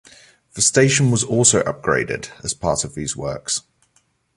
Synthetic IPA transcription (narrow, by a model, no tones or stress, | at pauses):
ðəsteɪʃə̃nwɒzɔˑlˠsəʊʔʌ̰p̚ɡ̥ɹḛɪdɪ̰dəz̥pʰɑˑtəvðiːzwɜ̰ˑks